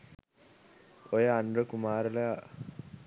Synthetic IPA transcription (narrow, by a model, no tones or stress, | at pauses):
ojəanɾəkumaːɾələ